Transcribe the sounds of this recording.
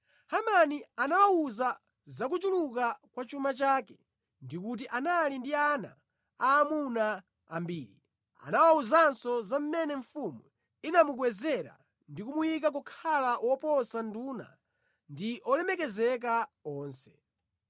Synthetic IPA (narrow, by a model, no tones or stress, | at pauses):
hamanianawauza | zak̬ut͡ʃuluk̬akwat͡ʃumat͡ʃaːkɛ | ndik̬ut̬iʔanalindiana̰ | aːmuna | ambiːɾi | a̰nawauzansɔzam̩mɛnɛɱfumu | inamuk̬wɛzɛɾa̰ | ndikumujik̬ak̬ukʰalawɔpɔsanduna̰ | ndiʔɔlɛmɛk̬ɛzɛk̬aɔːnsɛ̥